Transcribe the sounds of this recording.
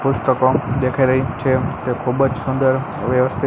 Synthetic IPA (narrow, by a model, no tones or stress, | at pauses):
pʊst̪əkod̪ekʰaɾəjt͡ʃʰek̪ekʰubəd͡ʒsʊnd̪əɾ | ʋjəʋəst̪ʰi